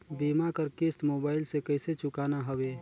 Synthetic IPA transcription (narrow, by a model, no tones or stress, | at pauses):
bimakəɾkesʈmobaːɪlsekəɪset͡ʃʊkanaɦəbe